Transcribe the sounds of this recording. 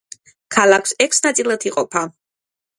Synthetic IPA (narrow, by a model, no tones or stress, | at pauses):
kʰalˠakʰsɛkʰsnat̪sʼilˠat̪ʰiqʼɔpʰa